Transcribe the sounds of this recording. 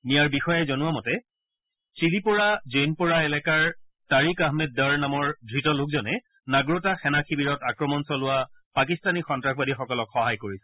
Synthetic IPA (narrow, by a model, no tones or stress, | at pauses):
nijaɹbixɔjazɔnʊwamɔtɛ | t͡ʃilipʊɹazenpɔɹaɛlɛkaɹtaɹikaɦmɛd̚daɹnamɔɹdʱɹitɔlʊkzɔnɛ | naɡɹotaxɛnaxʰibiɹɔtakɹɔmɔnsɔlʊwapakistanixɔntɹaxbadixɔkɔlɔkxɔɦajkoɹisɛ̥